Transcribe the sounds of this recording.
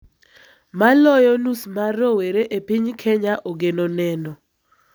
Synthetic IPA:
malɔjɔnusmaɾoweɾeʔepiɲkʰɛɲaʔoɡenonɛnɔ

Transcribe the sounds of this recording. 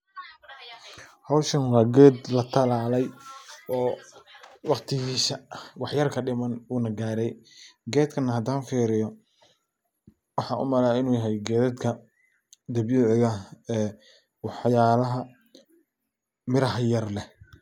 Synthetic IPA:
hɐwʃɐnwɑːɡɛːd̪lɐt̪ʰɐlaːlɛjɔː | wɑqt̪ʰɪɣiːsɐwɑħjɐrkʰɐɖɪmɐnuːnɐɡaːɾɛjɡɛːd̪kʰɐnːɐɦɐd̪aːnfiːɾɪjɔ | wɑħɑːʔʊ̰mɐlaːɪnuːjɐɦɛjɡɛːðɛd̪kʰɐ | d̪ɐbjʊːʕɪɣɐɛː | wɑħjaːlɐɦɐ | mɪɾɐɦjɐrlɛ

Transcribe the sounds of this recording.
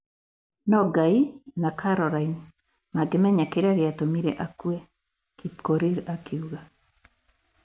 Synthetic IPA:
nɔɡainakʰaɾɔɾain | maɡemɛɲakeɾaɾeatomiɾɛʔakuɛ | kipkoɾiɾakiuɣa

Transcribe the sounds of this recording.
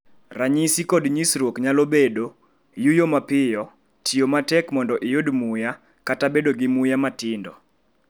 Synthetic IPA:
raɲisikɔdɲisɾwokɲalobedo | jujomapɪjɔ | tʰiomatɛkmɔndɔʔɪjodmʊja | katabedoɡɪmʊjamatɪndɔ̰

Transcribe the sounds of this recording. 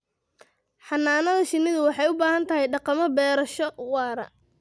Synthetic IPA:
ħɑnːaːnɐðɐʃɪnːɪðʊwɑħɑjʊbaːɦɐnt̪ʰɐɦɛjɖɑqɑmɔbɛːɾɐʃɔwɑːɾɐ̰

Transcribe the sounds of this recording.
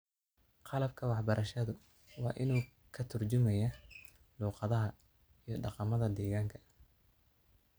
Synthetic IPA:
qɑlɐb̚kʰɐwɑħbɐɾʔɐʃɐðʊ | wɑːʔɪnuː | kʰɐt̪ʰʊrt͡ʃʊmɛjɐ | luːqɑðɐɦɐ | ijɞɖɑqɑmɐðɐd̪ɛːɣaːŋkʰɐ̥

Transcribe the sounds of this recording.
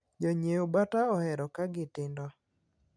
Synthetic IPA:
d͡ʒɔɲeobataɔhɛɾɔkaɡɪtɪndɔ

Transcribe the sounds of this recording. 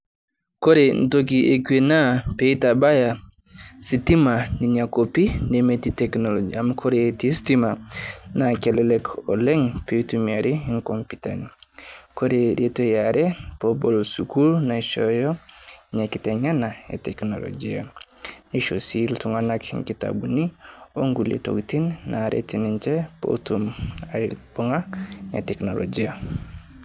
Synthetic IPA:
koɾentok̬iʔekwenapeitabaja | sitimaniɲakopindɛmetitɛknolod͡ʒiamkʰoɾetistimanakɛlɛlɛkɔlɛŋpetumaɾiiŋkompita̰nikoɾeɾetojaɾɛpobolsuɡuɾnaʃojoɲekiteɲanajḛtekno̰lo̰d͡ʒia | niʃosiltuŋanakhḭŋkita̰bunioŋɡulḛto̰ɡtinnaɾʔḛtinint͡ʃepo̰tumajb̥uŋanḛteknolʔo̰d͡ʒia

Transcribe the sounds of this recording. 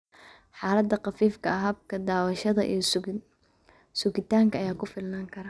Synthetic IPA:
ħɑːlɐd̪ɐqɑfiːfkʰɐɐɦɐb̚kʰɐd̪aːwɐʃɐðɐʔḭj | sʊkɪt̪ʰaːŋkʰɐːjaːkʰʊfɪlnaːŋkʰɐɾaː

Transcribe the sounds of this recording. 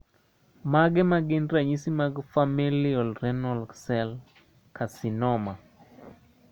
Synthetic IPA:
maɡɛmaɡɪndɾaɲisimaɡfamilɪɔlrɛnɔlksɛl | kasinɔma

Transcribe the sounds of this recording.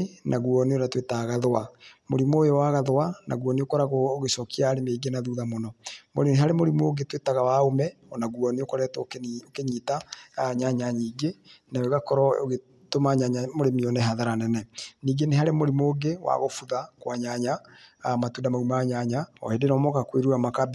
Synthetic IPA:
nʔaɣuɔneoɾatwetaɣaðwamoɾimojɔwaɣaðwana̰ɣuɔneokɔɾaɣoːɣesɔkiaːɾemeɡenaðuːðamonɔmoɾeneɦaɾemoɾimoɡetwetaɣawaomɛ | ɔnaɣuɔneokɔɾɛtːkokeɲiːtaɲaɲaɲiːɡenaweɣakɔɾɔɣe | tomaɲaɲamoɾemiɔnɛɦaðaɾanɛnɛniːɡeneɦaɾemoɾimoːɡewa̰ɣofuðakwaɲaɲamatuːndamaumaaɲaɲaɔ̰hedenɔmɔkakweɾuamakab

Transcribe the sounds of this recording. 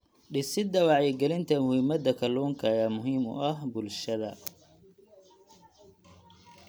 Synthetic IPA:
ɖɪsɪd̪ɐwɑʕjɛɡɛlɪnt̪ʰɐmʊhiːmɐd̪ɐkʰɐluːŋkʰɐjaːmʊɦiːmʊ̰ʔɐɦbʊlʃɐðɐ

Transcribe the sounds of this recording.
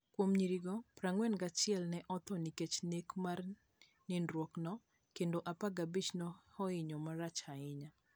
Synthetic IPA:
kwomɲiɾiɡɔpɾaŋwɛnɡat͡ʃɪɛlnɛʔɔt̪ɔniket͡ʃnekmar | nindɾwɔknɔ | kendoʔapaɡabit͡ʃnɔhɔɪɲɔmaɾat͡ʃaɪɲa

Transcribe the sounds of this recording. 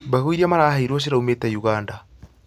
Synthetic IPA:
baɣuiɾiamaɾaːhaiɾɔʃ̬iɾaumetajuɣaːnda

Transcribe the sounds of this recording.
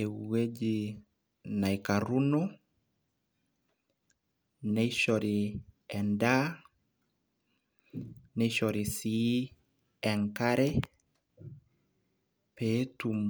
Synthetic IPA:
euwed͡ʒi | naikaɾunɔ | nɛiʃɔɾiɛnda | nɛiʃɔɾisi | ɛŋkaɾɛ | petum

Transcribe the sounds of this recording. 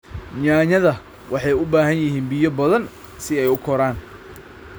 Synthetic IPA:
ɲaːɲɐðɐ | wʔɑħɑjʊbaːɦɐnjɪɦiːnbijɔbɐðɐn | sɪɛjʊkʰɔɾaːn

